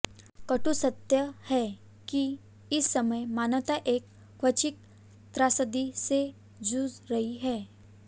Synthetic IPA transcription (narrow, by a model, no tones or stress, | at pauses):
kɐʈusɐt̪jəhɛ | ki | ɪsːɐməjmaːnʋt̪aʔeːkː | kʰʋɐt͡ʃɪk̚ | t̪ɾaːsəd̪ise | d͡ʒuːzɾɐɦiɦɛː